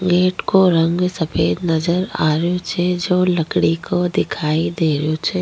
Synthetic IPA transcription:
ɡeːʈkoɾɐ̃ŋɡsɐpʰeːd̪nɐzəɾaːɾjot͡ʃʰɛd͡ʒoːləkɽikʰod̪ɪkʰaːid̪eːɾjot͡ʃʰɛ

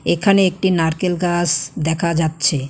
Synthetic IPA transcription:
ekʰaneek̚ʈinaɾkelɡasd̪ɛkʰad͡ʑatːɕʰe

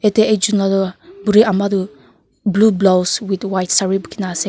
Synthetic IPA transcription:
et̪eed͡ʒunladobuɾiamadu | blublowswit̪wajtsaɹibukinase

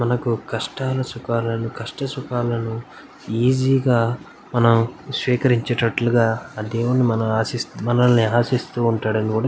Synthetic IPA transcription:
mɐnɐkukɐʂʈaːlɐsukaːɾlɐnukɐʂʈɐsukaːɾlɐnu | iːd͡ʒiːɡaː | mɐnɐmsʋiːkɐɾiɲt͡ʃɐʈɐʈluɡaːɐd̪eːʋunimɐnɐmaːsismɐnɐlɐniaːsist̪uːɳʈaːɽɐnikuːɽaː

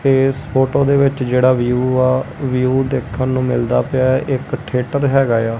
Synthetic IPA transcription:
eːspʰoːʈoːd̪eːʋɪt͡ʃd͡ʒeːɽaːʋijuːaːʋijuːd̪eːkʰənːũːmɪ̰ld̪a̰ːpɪjaːʔɪkʈʰeːʈəɾɦɛːɡaːjaː

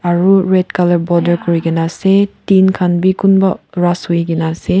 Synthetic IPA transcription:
aɾuɹed̚kalɐɹbɔdəɾkɔɾiɡinasetinkʰanbikunbaɾasujɡinase

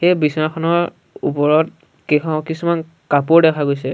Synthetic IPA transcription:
xejbisɔaxʰɔnɔɹ | upɔɹɔt̚ | kiɔkisuman | kapʊɹdɛkʰaɡojs̬ɛ

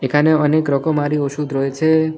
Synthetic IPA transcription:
ekʰaneənekɾɔkomaɾioʃʰud̪ʱɾojt͡ʃʰe

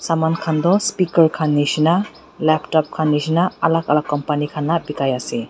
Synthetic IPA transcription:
samankʰand̪ɔspikəɾkʰanːisina | lɛpʈɔp̚kʰanːisinaːlakalakːɔmpanikʰanːabikajase

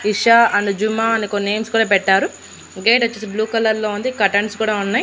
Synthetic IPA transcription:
iʂaɐnd̪ud͡ʒumaːɐnikone̞ːmskuːɽaːpɛʈːaːɾu | ɡeːʈot͡ʃːeːsibluːkɐlɐɾlo̞ːund̪ikɐʈɐɳskuːɽaːunːaːji

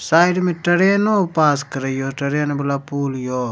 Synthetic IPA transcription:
saːjɖmẽʈɐɽeːnopaːskəɾəjoːʈɐɾeːnbɐlapuːljoː

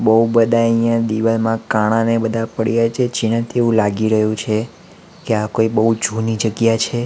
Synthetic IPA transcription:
bəɦubəd̪ʱaəijãd̪iʋəsmãkaɽ̃ãnebəd̪ʱapəɽijat͡ʃʰed͡ʒiɽ̃ãt̪ʰeʋũlaɡiɾəɦũt͡ʃʰe | keakoibəɦud͡ʒʱunid͡ʒəɡjat͡ʃʰe

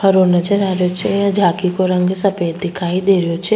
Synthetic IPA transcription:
hɐɾoːnət͡ʃɐɾaːɾjot͡ʃʰejãd͡ʒʱaːkikoɾɐ̃ŋɡsɐpeːt̪d̪ɪkʰaːid̪eːɾijot͡ʃʰe

